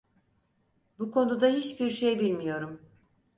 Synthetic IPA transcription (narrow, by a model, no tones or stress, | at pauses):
bukʰo̞nud̪aɦit͡ʃbiɾʃejbilʲmijo̞ɾum